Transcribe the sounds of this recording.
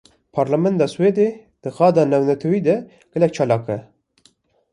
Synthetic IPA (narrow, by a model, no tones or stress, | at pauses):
pʰɑːɾlamɛnd̪ɑːsweːd̪ed̪̥ɨxɑːd̪ɑːnɛwnɛt̪ʰɛwiːd̪ɛ | ɡ̥ɛlɛk̚t͡ʃʰɑːlɑːkɛ